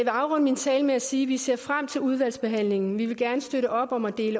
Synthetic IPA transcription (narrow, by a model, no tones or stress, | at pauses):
ʋe̝ɑ̈ʊʁɒ̽n̰əmint͡sʰɛːləmeæsiːʋise̝ɐ̰fʁam̰t͡sʰe̝luð̞ˠʋæl̰sb̥e̝ɦæn̰le̝ŋŋn̩ʋiʋe̝ɡ̥æɐnəsd̥øɾəʔɒ̽b̥ɒ̽mæd̥e̝̰ːlə